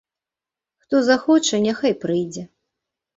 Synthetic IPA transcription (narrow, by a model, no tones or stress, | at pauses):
xt̪ɔzaxɔt͡ʂɐnʲɛxajpɾɨjd͡zʲɛ